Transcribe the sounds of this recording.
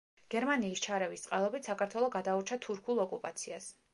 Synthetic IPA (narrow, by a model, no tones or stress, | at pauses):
ɡ̥ɛɾmaniːst͡ʃʰaɾɛvist̪sʼqʼalˠɔbit̪ʰsakʰaɾt̪ʰwɛlˠɔɡad̪auɾt͡ʃʰat̪ʰuɾkʰulˠɔkʼupʼat̪sʰias